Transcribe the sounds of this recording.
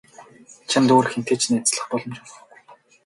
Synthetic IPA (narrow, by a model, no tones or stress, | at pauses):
t͡ɕʰant̪uːrxen̥t̪ʰeːt͡ɕnæt͡sɮə̆χpɔɮɞ̆mt͡ɕæ